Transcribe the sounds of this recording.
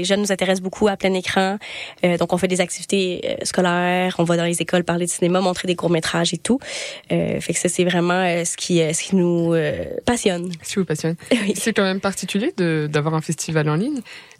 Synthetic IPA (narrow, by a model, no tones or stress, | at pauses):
leʒœnnːuzɛ̃t̪eʁɛs̬bokʰuaplɛ̃nekχɑ̃ød̪ɔ̃kɔ̃fɛd̪ezak̚t̪ivit̪eø̰skɔlɛʁɔ̃vad̪ɑ̃lezekɔlpaʁled̪əsinemamɔ̃t̪χed̪ekuʁmet̪χaʒet̪uø̰fɛksasɛvʁɛmɑ̃øsə̥kʲʰiøsə̥kʲinuøpasjɔnsivupasjɔnwisɛkɑ̃mɛmpaʁt̪ikʲyljed̪əd̪avwaʁɛ̃fɛst̪ivalɑ̃liɲ